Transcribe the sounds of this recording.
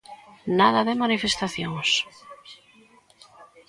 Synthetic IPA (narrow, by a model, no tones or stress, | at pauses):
naðaðemanifest̪aθjoŋs